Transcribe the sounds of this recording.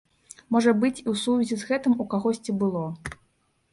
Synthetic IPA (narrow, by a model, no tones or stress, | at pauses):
mɔʐɐbɨt͡sʲiwsuvʲizʲizɣɛt̪ɨmukaɣɔsʲt͡sʲibɨlˠɔ